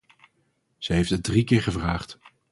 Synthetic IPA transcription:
z̥əɦejftədrikɪːɹχəvraːχt

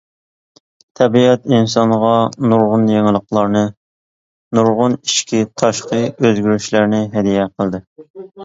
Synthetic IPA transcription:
t̪ʰɛbiɛt̪insɑnʁɑnuɾʁʊnjeŋlˠəqlˠɑɾnɨ | nuɾʁʊniʃkʲit̪ʰɑʃqəøzɡʲyɾyʃlæɾnɪɦɛd̪ijɛqʰəlˠd̪ɨ

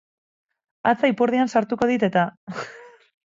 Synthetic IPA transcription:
at͡saipuɾðiansaɾt̪uko̞ð̞it̪e̞t̪a

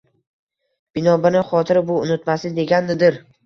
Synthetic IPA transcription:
b̥ɪnɒbɪnɪχɒt̪ʰɪɾɪbʊʊnɪt̪masɪd̪e̞ɡʲanːɪd̪ɪɾ

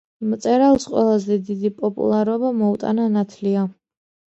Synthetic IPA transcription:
mt̪sʼɛɾalˠsqʼwɛ̰lˠazɛd̪id̪ipʼɔpʼṵlˠaɾɔbamɔut̪ʼa̰nanat̪ʰlia

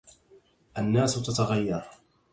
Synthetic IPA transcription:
ʔanːaːsʊt̪at̪aɣajːɑɾˤ

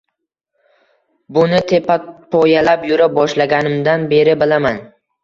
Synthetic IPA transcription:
bʊnɪt̪ʰepapʰɒjalapjʊɾap̚bɒʃlaɡʲanɪmd̪anbe̞ɾɪbɪlaman

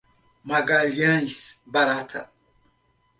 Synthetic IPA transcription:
maɡaljãnsbaɾatʰa̰

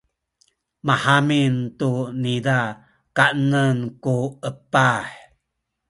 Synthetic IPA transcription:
mahamintunida | kaʔnənkuəpaħ

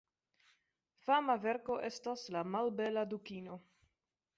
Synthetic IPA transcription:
famaveɾko̞ʔe̞staslamalbeladukino

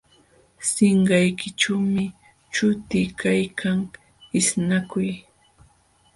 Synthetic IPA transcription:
sɪɴɢɑjkɪʈ͡ʂawmɪ | t͡ʃʊt̪ɪkʰajkʰaŋ | ɪsnakʊj

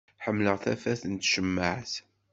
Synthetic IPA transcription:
ħəmːləʁθæfæθənt̪ʃəmːəʕθ

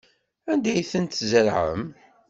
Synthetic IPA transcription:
ænd̪æjθənt̪zəɾʕə̰m

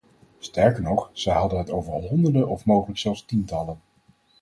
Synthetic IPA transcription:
stɛɹkəɹnɔχz̥ɛjɦɑdənɦətowvəɹɦɔndəɹdəʔɔfmowχələksɛlˠfstintɑlən

